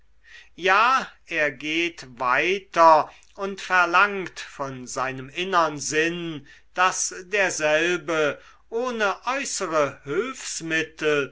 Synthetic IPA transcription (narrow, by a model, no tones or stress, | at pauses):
jaːʔeːɐɡeːtvaɪtɐ | ʊntfɛɐlaŋktfɔnzaɪnəmɪnəʁənzɪn | d̥asdeːɐzɛlbə | ʔoːnəʔɔʏsəʁəhøːfsmɪtl̩